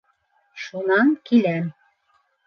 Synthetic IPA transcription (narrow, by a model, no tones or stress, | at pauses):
ʃunɑŋkilæm